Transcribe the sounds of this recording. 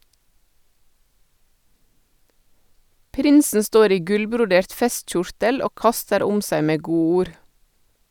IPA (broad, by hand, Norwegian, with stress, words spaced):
ˈpɾɪnsn̩ ˈstoːɾ ˈiː ˈɡʉlbɾʊˌdeːɾt ˈfɛstˌc͡çʊɾtəl ˈoː ˈkɑstəɾ ˈʊm ˈsæɪ ˈmeː ˈɡuːˌuːɾ